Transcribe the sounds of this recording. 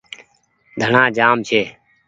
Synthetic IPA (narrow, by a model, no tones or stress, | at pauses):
d̪ʱəɳãːd͡ʒaːmt͡ʃʰeː